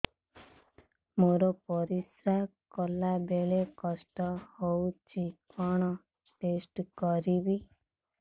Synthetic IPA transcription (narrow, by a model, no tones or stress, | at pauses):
moɾɔpɔɾisɾakɔlabeɭekɔsʈɔhowt͡ʃʰikʰɔɽ̃ɔ | ʈesʈkɔɾibi